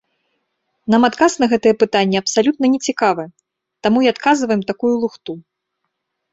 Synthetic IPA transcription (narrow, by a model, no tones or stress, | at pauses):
namat̪kasnɐɣɛt̪ɨjɛpɨt̪anʲːɛɐpsalʲut̪nɐnʲɛt͡sʲikavɨ | t̪amuiat̪kazɨvɐjɛmt̪akujulˠuxt̪u